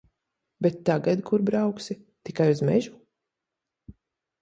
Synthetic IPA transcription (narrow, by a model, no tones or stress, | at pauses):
bet̪ːaɡad̪kuɾbɾawksi | t̪ikajuzmɛʒu